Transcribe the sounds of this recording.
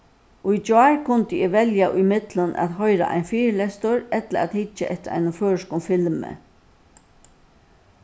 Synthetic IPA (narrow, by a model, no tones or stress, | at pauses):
ʔʊjt͡ʃaːɹkʰʊnt̪ɪɪːʋɛljaʔʊjmɪt̪lʊnʔæ̰ːt̪ɦɔjɾa̰ʔa̰jnfiːɾlɛst̪ʊɾɛt̪laɾa̰ːt̪hɪt͡ʃːaʔɛht̪ɪɾa̰jnʊføːɪʃkʊmfɪlmə̰